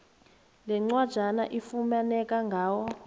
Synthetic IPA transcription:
lɛŋ͡ǀwad̥ʒ̥ʱana̰ʔifumanɛkaŋɡʱaːwɔ

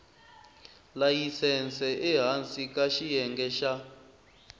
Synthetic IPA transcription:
lajisɛnt͡sɛʔɛɦant͡sʼikaʃijɛŋɡɛʃa

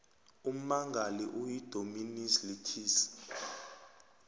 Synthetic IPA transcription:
um̩maŋɡʱaliʔujid̥ʱominislitʰiːsi̥

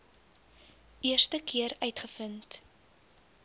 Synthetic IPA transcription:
ʔiərstəkiəɾœɥtχəfənt

